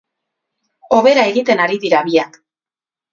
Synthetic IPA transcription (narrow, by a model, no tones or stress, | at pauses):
o̞βe̞ɾae̞ɣit̪e̞naɾiðiɾaβiak